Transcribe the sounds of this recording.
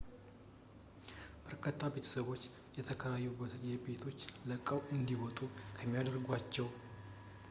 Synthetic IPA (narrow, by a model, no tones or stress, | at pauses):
b̥əɾkʰət̪ʰːabe̞t̪ʰə̥səβo̞t͡ʃː | jɛt̪ʰəkʰəlajːubət̪ʰebe̞t̪ʰo̞t͡ʃːləkʼːəwɨnd̪iwɔt̪ʼukʰəmːijad̪əɾɡʷat͡ʃːɛw